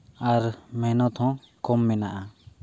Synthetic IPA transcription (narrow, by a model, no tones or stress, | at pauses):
aɾmɛnɔt̪ʰhɔ̃ | kɔmːɛnaʔa